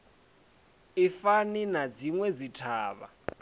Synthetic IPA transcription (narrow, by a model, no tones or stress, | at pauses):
ifaninad͡ziŋwɛd͡zitʰaːβa̰